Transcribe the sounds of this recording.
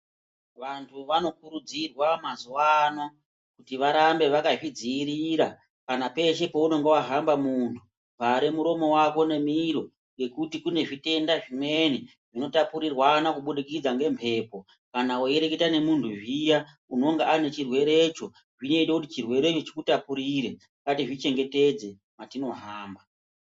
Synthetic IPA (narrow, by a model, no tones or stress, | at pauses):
ʋantʰuʋano̞kuɾud͡zirwamazuwano̞ | kutiʋaɾambe̞ʋakaʐid͡ziːɾiɾa | kanape̞ʃe̞pouno̞ŋɡewaɦambamuntʰu | paɾemuɾo̞mo̞wako̞ne̞miɾo̞ | ŋjɡe̞kutikune̞ʐite̞ndaʐime̞ni | ʐino̞tapuɾirwanakuɓuɗikid͡zaŋɡe̞mpʰe̞ːpo̞ | kanawojeɾeketane̞muntʰuʐija | uno̞ŋɡaane̞t͡ʃirwe̞ɾe̞t͡ʃo̞ | ʐino̞itekutit͡ʃirwe̞ɾe̞t͡ʃot͡ʃikutapuɾiɾe | katiʐit͡ʃe̞ŋɡe̞te̞d͡ze̞ | matino̞ɦaːmba